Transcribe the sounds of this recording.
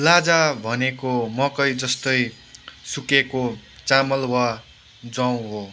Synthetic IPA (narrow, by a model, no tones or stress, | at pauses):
lad͡zabʱʌnekomʌkʌjd͡zʌst̪ʌj | sukekot͡samʌlwa | d͡zʌw̃ɦo